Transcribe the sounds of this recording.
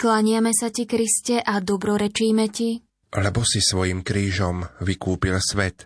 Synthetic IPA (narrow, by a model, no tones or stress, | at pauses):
klaɲɪamɛsacikɾiscɛʔad̪ɔbɾɔɾɛt͡ʃiːmɛci | lɛbɔsisʋɔjiːmkɾiːʒɔmʋikuːpilsʋɛt̪